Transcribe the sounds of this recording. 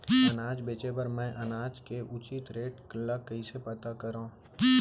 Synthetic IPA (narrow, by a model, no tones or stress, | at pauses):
ɐnaːd͡ʒbeːt͡ʃepɐɾmɛ̃ʔɐnaːd͡ʒkeʔʊt͡ʃit̪ɾeːʈklɐkɐisepɐt̪akɐɾõː